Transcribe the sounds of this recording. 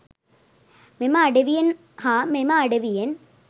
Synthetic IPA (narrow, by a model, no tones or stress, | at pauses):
memaːɖeʋijɐn | hamemaːɽeʋijɐn